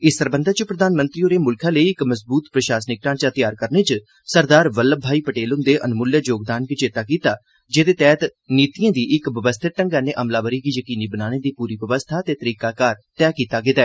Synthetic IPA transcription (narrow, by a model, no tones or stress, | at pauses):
ɪsːəɾbənd̪əːt͡ʃəpɾəd̪aːnmə̃nt̪ɾiːoːɾeːmʊlkʰãːləiːɪkməsbuːt̪pɾəʃaːsnɪk̚ʈãːt͡ʃaːt̪ɪjaːɾkəɾneːt͡ʃ | səɾd̪aːɾʋəlːəbʱːaːiːpəʈeːlʊnd̪eːʔənmʊləd͡ʒoːɡ̚d̪aːnkit͡ʃeːt̪aːkiːt̪aː | d͡ʒeːd̪eːt̪ɛːt̪niːt̪ijãːd̪iːʔɪkʋəʋəst̪ʰəʈəŋɡaːnẽːʔəmlaːʋəɾiːɡiːjəkiːniːbənaːñeːd̪iːpuːɾiːʋəʋəst̪ʰaːt̪eːt̪əɾiːkaːkaːɾt̪ɛːkiːt̪aːɡeːd̪aɛː